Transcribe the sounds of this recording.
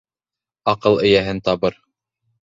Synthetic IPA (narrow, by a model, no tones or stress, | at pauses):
ɑqɤlˠɘ̆jæɦɘnt̪ɑβɤɾ